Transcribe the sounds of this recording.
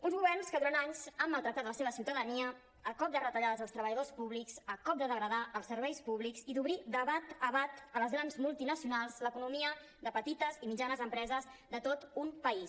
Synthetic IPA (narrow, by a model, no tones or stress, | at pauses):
unzɣuβɛrnskəðuɾant̪aɲzəmməlˠt̪ɾək̚t̪at̪ləseβəsiwt̪əðəniə | əkɔp̚d̪ərət̪əʎaðəzðəlˠst̪ɾəβəʎəðospuβlikzəkɔp̚d̪əðəɣɾəðaʔəlˠsəɾβɛjspuβlikziðuβɾid̪əβat̪əβat̪ələzɣɾanzmulˠt̪inəsiunalˠzləkunumiə | d̪əpət̪it̪əzimid͡ʒanəzəmpɾɛzəzd̪ət̪ot̪umpəis